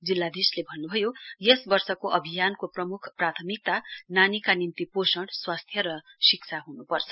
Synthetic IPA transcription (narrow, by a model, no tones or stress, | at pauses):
d͡zilːad̪islebʱʌnːubʱʌjojʌsbʌrsʌkoʔʌbʱijankoprʌmukʰprat̪ʰʌmik̚t̪ananikanint̪iposʌɽswast̪ʰjʌɾʌsikt͡sʰaɦunupʌrt͡sʰʌ̥